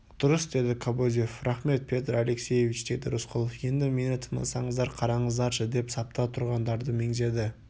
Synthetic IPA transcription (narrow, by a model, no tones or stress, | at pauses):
d̪̥ʊɾəsd̪e̞d̪ɪkʰobod̪jefɾɑχme̞t̪̚pʰe̞t̪ɾale̞ksʲeje̞vʲit͡ʃd̪e̞d̪ɪ̰ɾʊsqʰʊlˠfje̞nd̪ɪme̞nɪt̪ʰəmə̰nsɑɴəzd̪ɑɾqʰɑɾɑɴəzd̪ɑɾʃəd̪e̞psɑp̚t̪ɑt̪ʰʊɾʁɑnd̪ɑɾd̪əme̞ŋze̞d̪ɪ